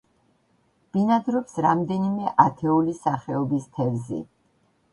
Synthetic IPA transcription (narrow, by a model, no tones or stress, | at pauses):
b̥inad̪ɾɔpsɾamd̪ɛnimɛʔat̪ʰɛulisaχɛɔbist̪ʰɛvzɛ̰